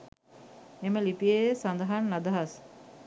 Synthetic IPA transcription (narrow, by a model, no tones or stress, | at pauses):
eməlipijesand̪ɐɦanːad̪ɐɦas